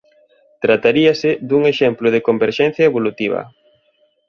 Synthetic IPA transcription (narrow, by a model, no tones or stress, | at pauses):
t̪ɾat̪aɾiɐsɪd̪uŋeʃɛmplʊð̞ɪkombeɾʃɛn̟θjɐeβolut̪iβ̞ɐ̰